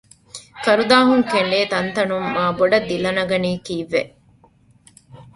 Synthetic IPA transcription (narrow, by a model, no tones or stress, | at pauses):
kɐɾud̪aːɦuŋkeɳɖeːt̪ɐnt̪ɐnummaːboɖɐd̪ːilɐnɐɡɐniːkiːʋːeʔ